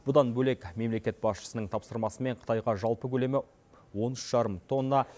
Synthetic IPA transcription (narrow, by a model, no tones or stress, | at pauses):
b̥ʊd̪ɑnbɵle̞kme̞mle̞kʲe̞t̪̚bɑsʃə̥sənəɴt̪ʰɑpsəɾmɑsəme̞ɴqʰə̥t̪ʰɑjʁɑʒɑlˠpəkʲʰɵle̞mɪ | wo̞nʏʃʒ̥ɑɾəmt̪ʰo̞nːɑ